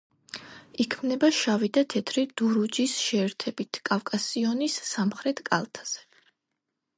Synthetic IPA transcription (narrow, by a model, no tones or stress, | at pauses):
ikʰmnɛbaʃavid̪at̪ʰɛt̪ʰɾid̪̥uɾud͡ʒisʃɛːɾt̪ʰɛbit̪ʰkʼafkʼasiɔnisːamχɾɛt̪ʰkʼa̰lˠt̪ʰḁz̥ɛ̥